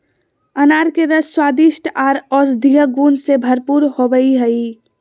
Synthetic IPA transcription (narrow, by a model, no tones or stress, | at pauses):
ənaɾkeɾəsswaːd̪iʃʈaːɾɔsd̪ʱiɦəɡuːnsebʱəɾpuɾhoʋəiɦəi